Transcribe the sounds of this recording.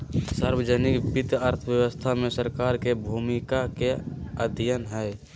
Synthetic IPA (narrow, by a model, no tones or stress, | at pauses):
səɾwəd͡ʒənikbɪt̪əɾt̪ʰəʋjəwəst̪ʰamẽsəɾkaːɾkebʱumikakeəd̪ʱijənɦɛe